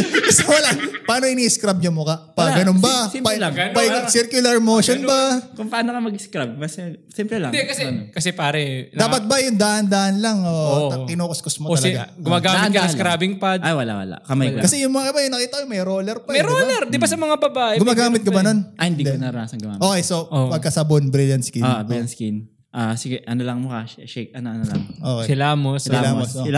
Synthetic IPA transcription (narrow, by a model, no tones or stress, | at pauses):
kɐsɛwɐlapɐaːnoʔɪniːʔɪskɾab̚ɲʊmokɐpɐɡɐnonbɐspapɐjsiɾkjʊlɐɾmoːʃonbɐkʊŋpɐaːnɐkɐmɐɡɪskɾab̚mɐssɛmpɾɛlɐ̰ŋd̪ɛkɐsɛkɐsɛpaːɾɛlaːpɐt̪̚bɐjʊŋd̪aʔɐnd̪aːʔɐnlɐŋot̪ɪnoːkɐskosmooɐɡa̰ɡʊmaɡamɪt̪̚kɐskɾabɪŋpad̪ajwɐla̰ʔwɐ̰la̰ʔkɐmajkɐsɛjʊŋmɐŋaɪbajʊŋnɐkiːt̪ɐkojʊŋmɐjɾoːlɛɾpɐmɐjɾolɛɾd̪ɪbɐsɐmɐŋabɐbaːʔɛɡʊmaːɡaaːmɪt̪̚kɐbɐnonʔɐhɪnd̪id̪ɛɐnaɾʊnaːsɐnɡʊma̰ːʔoːkɛjsoopɐɡ̚kasɐbonbɾiljɐnt̪skianbɾɪljɐnskin | ʔaːsɪɡɛʔɐnolɐŋmʊkaʃɛʃɛk̚ɐnoʔɐnolɐʔoːkɛɪlaːmossɪlamosoɪl